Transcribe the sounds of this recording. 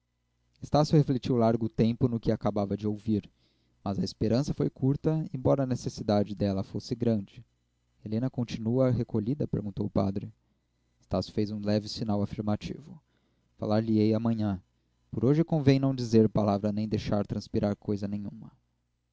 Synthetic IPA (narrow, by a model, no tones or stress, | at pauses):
est̪asjʊheflet͡ʃiwlaɾɡʊt̪ẽmpʊnʊkɪakabavɐd͡ʒɪowviɾ | mɐzɐispeɾɐ̃sɐfojkʰuɾt̪ɐẽbɔɾɐnesesid̪ad͡ʒɪd̪ɛlɐfosɪɡɾɐ̃d͡ʒɪ | elẽnɐkõt͡ʃinuɐɦekoʎid̪ɐpḛɾɡũnt̪owʊpa̰d̪ɾɪ | est̪asjʊ̥fejzũlɛvɪsinawafiɾmat͡ʃḭvʊ | fa̰laɾliejɐmɐ̃ɲɐ̃ | poɾoʒɪkõvẽj̃nɐ̃w̃d͡ʒizeɾpalavɾɐnẽj̃d̪ejʃaɾt̪ɾɐ̃spiɾʔaɾkʰojzɐnẽɲ̃ũmɐ